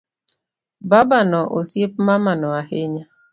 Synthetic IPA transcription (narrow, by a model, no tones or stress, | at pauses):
babanɔʔosjep̚mamanɔaheɲa